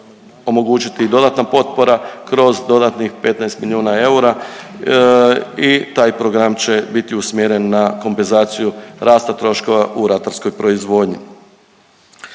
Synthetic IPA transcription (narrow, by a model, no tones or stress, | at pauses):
o̞mo̞ɡuːt͡ʃit̪id̪o̞d̪at̪napo̞t̪̚po̞ɾakɾo̞zd̪o̞d̪at̪nixpe̞t̪najst̪milʲjuːnae̞uɾa | it̪aːjpɾo̞ɡɾamt͡ɕe̞bit̪iusmjeɾe̞nːako̞mpenzaːt̪sijuɾʔaːst̪at̪ɾo̞ʃko̞ʋaʔuɾat̪aɾskojpɾo̞izʋo̞ːd̪ɲḭ